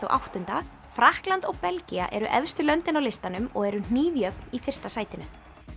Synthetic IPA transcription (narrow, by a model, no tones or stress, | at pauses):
ɔ̰ɣʔa̰wht̪ʏnt̪a | fɾahklant̪ɔɣpɛlcia̰ʔɛɾʏʔɛvst̪ʏlœnt̪ɪnawlɪst̪anʏmɔɣɛɾʏn̥iːðjœpnifɪr̥st̪asaːjt̪ɪnʏ